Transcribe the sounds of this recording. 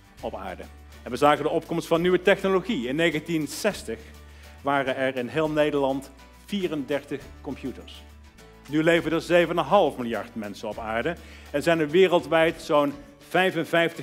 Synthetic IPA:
ɔpa̰ːɹdə̰ | ɛnʋəzaːkəndəɔp̚kɔmstfɑnːyʋətɛχnoloχiɪnːejɣəntinsɛstəχ | ʋaːrənɛɹɪnɦɪːlˠnejdəɹlɑnt | fiːrəndɛɹtəχkɔmpʰjutə̰ɹs | nylejvəndəzejvənənɦɑlˠfmɪlˠjɑɹtmɛnsənɔpaːɹdə | ɛnzɛjnəʋɪːrəlˠtʋɛjtsown | v̥ɛjvənvɛjftə

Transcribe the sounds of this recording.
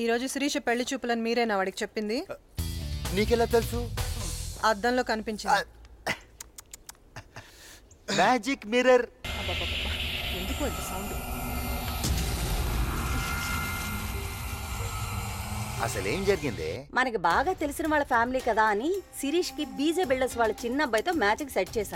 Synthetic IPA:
iːɾo̞ːd͡ʒusiɾiːʂɐpeɭːit͡ʃuːpulɐnmiːɾɐjnaːʋaːɽiki̥t͡ʃe̞pːind̪i | niːkɛlaːt̪elusu | ɐd̪ːɐnlo̞ːkɐnipiɲt͡ʃi | maːd͡ʒikmiɾɐɾɐpːɐpːɐpːɐpːɐe̞nd̪ukuɐnt̪ɐsɐwɳɖu | ɐ̰sɐlḛːmd͡ʒɐɾiɡind̪ḛːmɐnɐkibaːɡaːt̪e̞lisinɐʋaːɭːɐpʰaːmiliːkɐd̪aːɐnisiɾiːʂkit̪̚biːd͡ʒeːbiɭɖɐsʋaːɭːɐt͡ʃinːɐbːɐjt̪o̞ːmaːd͡ʒikseʈ̚t͡ʃɛːsaːɾu

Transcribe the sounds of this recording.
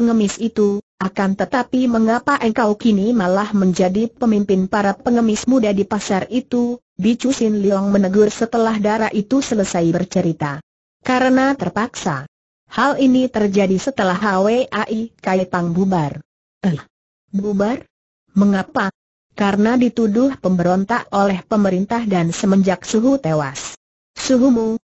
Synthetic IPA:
pəŋəmɪsit̪uʔakant̪ət̪apiməŋapaʔəŋkawkinimalahməɲd͡ʒadipəmimpɪnpaɾapəŋəmɪsmudadipasarit̪u | bit͡ʃusɪnliɔaŋmənəɡʊrsət̪əlahdaɾaʔit̪usələsajbərt͡ʃəɾit̪a | kaɾənat̪ərpaksa̰ | halinit̪ərd͡ʒadisət̪əlaɦaweʔaʔikaipaŋbubar | ə | bubar | məŋapa | kaɾənadit̪udʊhpəmbəɾɔnt̪ak̚olɛhpəməɾint̪ahdansəməɲd͡ʒak̚suɦut̪ewas | suɦumu

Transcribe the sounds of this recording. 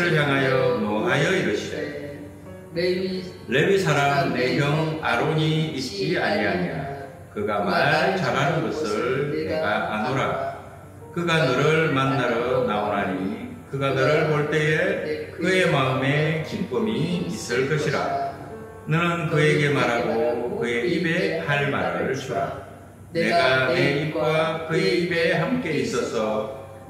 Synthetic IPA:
ɾɯɭjaŋɦajʌmʌɦajʌiɾʌɕʰia | le̞bisʰaɾamne̞ɦjʌŋaɾoɲiit̚t͡ɕ͈iaɲiɦaɲiɾa̰ | kɯɡamaɭt͡ɕanɦanɯnɡʌsʰɯɭneɡaʔanoɾa | kɯɡanʌɾɯɭmanːaɾʌnaoɾɦaɲikɯɡanʌɾɯɭpoɭt͈e̞ekɯe̞maɯme̞kimp͈ɯmiːs͈ɯɭk͈ʌɕʰiɾa̰ | nɯnɯnkɯe̞ɡe̞maɾɦaɡokɯe̞ibe̞haɭma̰ɾɯɯɭt͡ɕuɾa̰ | ne̞ɡaneip̚k͈wakɯe̞ibe̞ɦamk͈e̞is͈ʌsʰʌ

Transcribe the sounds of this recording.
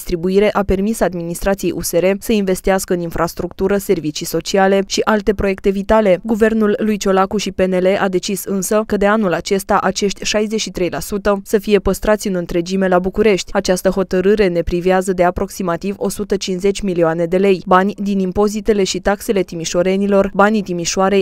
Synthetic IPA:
st̪ɾibuiɾe̞ʔape̞rmisaːd̪minist̪ɾat̪sijejʔṵse̞ɾe̞səinve̞st̪iaskəɨninfɾast̪ɾukt̪uɾəse̞rvit͡ʃijso̞t͡ʃiale̞ʃiʔalt̪e̞pɾo̞je̞kt̪e̞vit̪ale̞ɡuve̞rnulːujt͡ʃo̞lakuʃipe̞ne̞le̞ʔad̪e̞t͡ʃisɨnsəkəd̪e̞anulat͡ʃe̞st̪aʔat͡ʃe̞ʃt̪ʲʃajzeʃit̪ɾe̞jlasut̪əsəfije̞pəst̪ɾat̪sʲɨnɨnt̪ɾe̞d͡ʒime̞labukuɾe̞ʃt̪ʲat͡ʃast̪əɦo̞t̪əɾɨɾe̞ne̞pɾiviazəd̪e̞apɾo̞ksimat̪ivo̞sut̪ət͡ʃinsze̞t͡ʃʲmilioane̞d̪e̞le̞jbanʲd̪inimpo̞zit̪e̞le̞ʃit̪akse̞le̞t̪imiʃo̞ɾe̞nilo̞rbanit̪imiʃoaɾe̞j

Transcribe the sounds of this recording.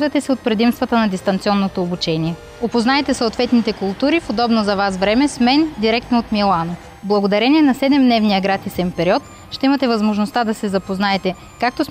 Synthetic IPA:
vɐt̪ɛsɛot̪̚pɾɛd̪imst̪vɐt̪ənɐd̪ist̪ɐnt̪siɔnːot̪oːbut͡ʃɛniɛ | opoznaɛt̪ɛsoot̪vɛt̪nit̪ɛkʊlˠt̪uɾifod̪ɔbnozɐvasvɾɛmɛsmɛnd̪iɾɛk̚t̪noot̪milˠano | blˠɐɡod̪ɐɾɛniɛnɐsɛd̪ɛmd̪nɛvnijɐɡɾat̪isɛmpɛɾiɔt̪ | ʃt̪ɛimɐt̪ɛvɐzmoʒnost̪ad̪ɐsɛzɐpoznaɛt̪ɛ | kak̚t̪os

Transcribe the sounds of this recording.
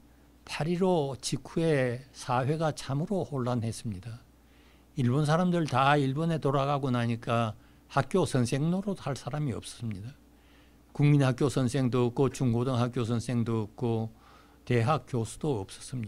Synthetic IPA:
pʰaɾiɾot͡ɕikʰue̞sʰawe̞ɡat͡ɕʰamɯɾohoɭːanɦe̞s͈ɯmɲida | iɭbons̬ʰaɾamdɯɭtaiɭbone̞toɾaɣaɡonaɲik͈a | hak̚k͈josʰʌnsʰeŋnoɾosʰaɭs͈aɾamiʌ̰p̚s͈ʌ̥s͈ɯmɲida | kuŋminɦak͈josʰʌnsʰe̞ŋdoːk͈̚ot͡ɕuŋɡodʌŋɦak͈jos̬ʰʌnsʰe̞ŋdoːk̚k͈ʰo | te̞ɦak̚k͈josʰu̥d̥oʌp̚s͈ʌ̥s͈ɯmɲi

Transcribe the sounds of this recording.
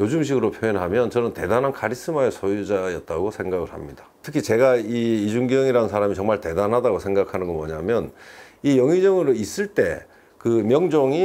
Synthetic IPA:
jod͡ʑumɕ̬ʰiɡɯɾopʰjoenɦamjʌnt͡ɕʌnɯnte̞danɦankʰaɾis͈ɯmaesʰojud͡ʑajʌt̚t͈aɡosʰe̞ŋɡaɡɯɭɦha̰mɲid̥ḁtʰɯ̥kʰit͡ɕe̞ɡaiːd͡ʑuŋɡjʌŋiɾanɯnsʰaɾamit͡ɕʌŋmaɭte̞danɦadaɡosʰe̞ŋɡakʰanɯnɡʌmwʌɲamjʌnijʌŋid͡ʑʌŋɯɾois͈ɯɭt͈e̞ | kɯmjʌŋd͡ʑoŋi

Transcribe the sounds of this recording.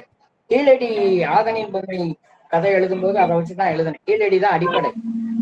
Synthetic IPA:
kiːlɛɽiaːɣɐnɪnbɐnːɐ | kɐðɐɪɛɭɯðɯmpoːðɯɐðɐʋɐt͡ʃːit̪ːãːɛɭɯðɯnɯ̃kiːɭɛɽiðãːɐɽɪpːɐɽɐɪ

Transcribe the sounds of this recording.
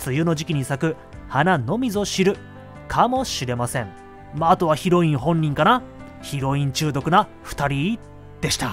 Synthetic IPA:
t͡sɨjɯno̞ʑikʲiɲ̟isakɯ̟ | hanano̞mʲizo̞ɕiɾɯ̟ | kʰamo̞ɕiɾe̞masẽ̞ŋ | maːt̪o̞β̞açiɾo̞ĩɰ̃hõ̞ɲʲːĩŋkana | çiɾo̞ĩɲ̟t͡ɕɨːd̪o̞kɯ̟na | ɸɯ̟̥t̪aɾʲi | d̪̥e̞ɕi̥t̪a

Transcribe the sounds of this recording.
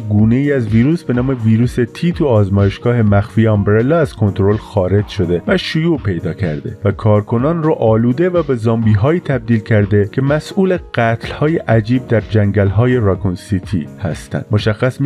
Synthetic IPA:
ɡuːne̞iːæzviːɾuːsbe̞nɒːme̞viːɾuːse̞t̪ʰiːt̪ʰuɒːzmɒːje̞ʃɡ̥ɒːhe̞mæxfiːjeɒmbɾe̞lːɒæz̥kʰo̞nt̪ɾo̞lxɒːɾe̞d͡ʒʃo̞d̪e̞væʃojuːpʰe̞jd̪ɒːcʰæ̰ɾd̪e̞̰vækʰɒːɾkʰo̞nɒːnroʔɒːluːd̪e̞væbe̞zɒːmbiːɦɒːiːt̪ʰæb̚d̪iːlcʰæɾd̪e̞cʰe̞mæsʔuːle̞ɡɢ̥æt̪ʰlhɒːjeʔæd͡ʒiːb̚d̪æɾd͡ʒæŋɟælɦɒːje̞ɾɑkʰonsit̪ʰḭhæ̰st̪æ̰nd̪moʃæxːæsm

